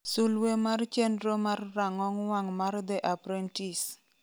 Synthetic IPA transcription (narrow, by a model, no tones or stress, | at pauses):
sulwemart͡ʃɛndɾomarraŋɔŋwaŋmard̪ɛʔapɾɛntis